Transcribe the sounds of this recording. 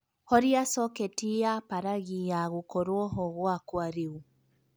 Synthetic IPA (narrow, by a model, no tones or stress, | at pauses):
hɔɾiasɔketiapaɾaɣijaɣukɔɾwɔɦɔɣwakwaɾeu